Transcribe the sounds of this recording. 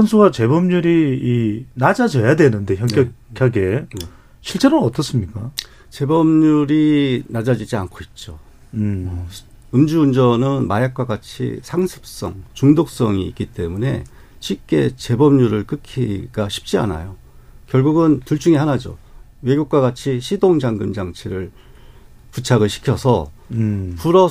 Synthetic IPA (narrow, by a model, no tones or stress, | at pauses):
sʰʌnsʰuɡat͡ɕe̞bʌmɲuɾiinad͡ʑad͡ʑʌjadwe̞nɯnde̞çjʌnkkjʌkʰaɡe̞ | ɕʰiɭt͡ɕ͈e̞ɾoʌt͈ʌs͈ɯmɲik͈a | t͡ɕe̞bʌmɲuɾinad͡ʑad͡ʑid͡ʑia̰nkʰoit̚t͡ɕ͈o | ɯmd͡ʑuːnd͡ʑʌnɯnmajak̚k͈waɡat͡ɕʰḭsʰaŋsʰɯ̥p̚s͈ʌ̰ŋt͡ɕuŋdok̚s͈ʌŋḭːk͈it͈e̞mune̞̰ | ɕʰik͈e̞t͡ɕe̞bʌmɲuɾɯɭk͈ɯkʰiɡaɕʰi̥p̚t͡ɕ͈ia̰na̰jo | kjʌɭɡuɡɯntuɭt͡ɕ͈uŋiɦanad͡ʑo̰ | we̞ɡjuk̚k͈waɡat͡ɕʰiɕʰidoŋd͡ʑaŋɡɯmd͡ʑaŋt͡ɕʰeɾɯɭ | put͡ɕʰaɡɯɭɕʰi̥kʰjʌsʰʌ | puɾʌ